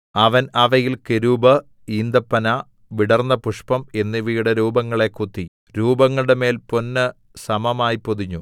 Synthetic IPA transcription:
ɐʋɐnɐʋɐjilkeɾubɐ | iːnd̪ɐpːɐnɐ | ʋiɽɐrnːɐpuʂpɐme̞nːiʋijuɽeɾuːbɐŋːɐɭe̞kːut̪ːi | ɾuːbɐŋːɐɭɽeme̞ːlpo̞nːɨ | sɐmɐmaːjipoðiɲːu

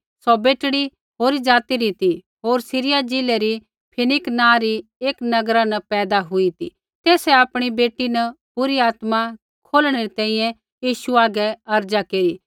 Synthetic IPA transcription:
sɔbeːʈɽi | ɦoːɾid͡ʒaːt̪iɾit̪i | ɦoːɾsɪɾɪjad͡ʒɪleɾi | pʰɪnɪknãːɾieːknɐɡɾanɐpɛːd̪aɦʊit̪ḭ | t̪eːsɛapɽ̃ibeːʈːinɐpʊɾiaːt̪ma | kʰoːlɽ̃eɾit̪ɛ̃ːĩːjɛ̃ | jiːʃuaːɡɛɐɾd͡ʒakeːɾiː

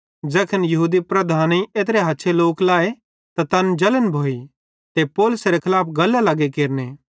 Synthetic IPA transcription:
d͡ʒɛːkʰənjɐɦuːd̪ipɾɐd̪ʱaːniʔeːt̪ɾeɦɐtːʃʰeloːklaːe | t̪at̪ɐnd͡ʒɐlənbʱoːi | t̪epɔːlʊsɾekʰɐlaːpʰɡɐlːalɐɡekeːɾneː

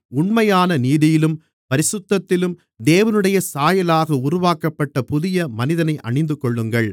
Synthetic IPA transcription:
ʊɳmɐjaːnɐniːðɪjɪlɯm | pɐɾɪsʊt̪ːɐt̪ːɪlɯm | d̪eːʋɐnɯɽɐjɐsaːjɐlaːɣɐʊɾʊʋaːkɐpːɐʈːɐpʊðɪjɐmɐnɪðɐnɐɪʔɐ̰ɳɪnd̪ɯkɔɭːɯŋɡɐɭ

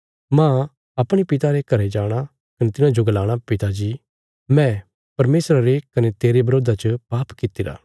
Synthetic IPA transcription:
mãː | ɐpɽ̃ipɪt̪aɾekɐɾed͡ʒaːɽ̃a | kɐnet̪ɪnãd͡ʒoɡɐlaːɽ̃apɪt̪ad͡ʒiː | mɛ̃ː | pɐɾmeːsɾaɾekɐnet̪eːɾebɐɾoːd̪at͡ʃəpaːpkɪt̪iɾa̰ː

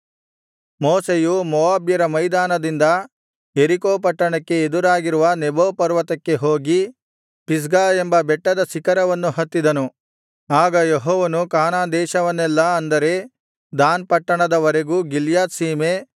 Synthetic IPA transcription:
moːsejumɔʋaːbjɐɾɐmɐjd̪aːnɐd̪ind̪ɐ | jeɾikoːpɐʈːɐɳɐkːe̞ːd̪uɾaːɡiɾuʋɐneboːpɐɾʋɐt̪ɐkːe̞ɦoːɡi | pis̬ɡaːembɐbɛʈːɐd̪ɐsikɐɾɐʋɐnːuhɐt̪ːid̪ɐnu | aːɡɐjeɦɔːʋɐnukaːnaːnd̪ɛːʃɐʋɐnːɛlːɐɐnd̪ɐɾe̞ | d̪aːnpɐʈːɐɳɐd̪ɐʋɐɾeɡuɡiljaːt̪siːme̞

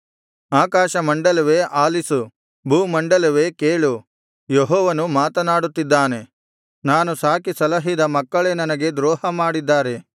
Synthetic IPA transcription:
aːkaːʃɐmɐɳɖɐlɐʋe̞ːʔaːlisu | bʱuːmɐɳɖɐlɐʋe̞ːkeːɭu | jeɦɔːʋɐnumaːt̪ɐnaːɽut̪ːid̪ːaːne̞ | naːnusaːkisɐlɐɦid̪ɐmɐkːɐɭe̞ːnɐnɐɡe̞d̪ɾɔːhɐmaːɽid̪ːaːɾe̞

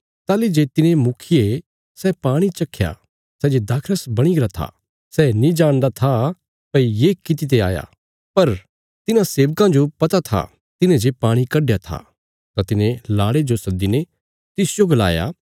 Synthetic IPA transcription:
t̪aːlid͡ʒeːt̪ɪnẽmʊkʰie | sɛpaːɽ̃it͡ʃɐkʰːja̰ | sɛːd͡ʒed̪aːkʰɾəsbɐɽ̃iɡɐɾat̪ʰa̰ | sɛːnĩd͡ʒaːɽ̃d̪at̪ʰa | pɐijeːkɪt̪̬it̪̬ea̰ːja̰ | pɐɾ | t̪ɪnãseːʋkãd͡ʒopɐt̪at̪ʰa̰ | t̪ɪnẽd͡ʒepaːɽ̃ikɐɖjat̪ʰa̰ | t̪at̪ɪnẽlaːɽed͡ʒosɐd̪inẽ | t̪ɪsd͡ʒoɡɐla̰ːja̰

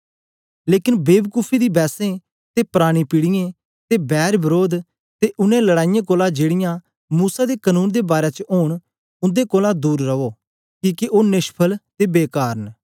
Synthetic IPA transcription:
leːkɪnbeːbkuːpʰiːd̪iːbɛːsẽː | t̪eːpɾaːɽ̃ĩːpɪɽɪjẽ | t̪eːbɛːɾbəɾoːd̪ | t̪eʔʊnẽləɽaːɪjãːkoːlad͡ʒeːɽɪjãː | muːsad̪eːkənũːnd̪eːbaːɾeːt͡ʃəoːɳ̃ | ʊ̃nd̪eːkoːlad̪uːɾːəoː | kiːkiʔoːnɪʃpʰəlt̪eːbeːkaːɾən

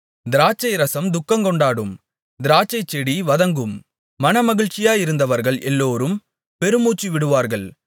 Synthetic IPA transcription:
d̪ɪɾaːt͡ʃːɐɪɾɐsɐmd̪ʊkːɐŋkɔɳɖaːɽɯm | d̪ɪɾaːt͡ʃːɐɪt͡ʃːɛɽiʋɐðɐŋɡɯmː | ɐnɐmɐɣɪɭt͡ʃːɪjaːjɪɾɯnd̪ɐʋɐɾɣɐɭʔɛlːoːɾɯm | pɛɾɯmuːt͡ʃːiʋɪɽɯʋaːɾɣɐɭ

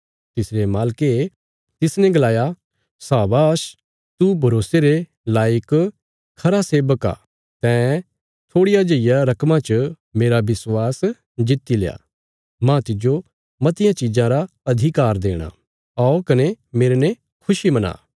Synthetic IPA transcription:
t̪ɪsɾemaːlke | t̪ɪsnɛ̃ɡɐlaːja | saːbaʃ | t̪ubʱɐɾoːseɾe | laːɪk | kʰɐɾaseːbəka̰ | t̪ɛ̃ | t̪ʰoːɽɪjad͡ʒeɪjaɾɐkmãt͡ʃə | meːɾabɪswaːs | d͡ʒɪt̪ːileja̰ː | mãt̪ɪd͡ʒo | mɐt̪ɪjãt͡ʃɪd͡ʒãɾa | ɐd̪ʱikaːɾd̪eːɽ̃a̰ | aokɐnemeːɾene | kʰʊʃimɐna̰ː

